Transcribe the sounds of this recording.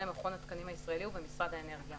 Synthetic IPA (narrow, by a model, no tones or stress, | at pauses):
lemaχo̞nat̪kanimhaisʁae̞liuvbemisʁad̪aene̞ʁɡija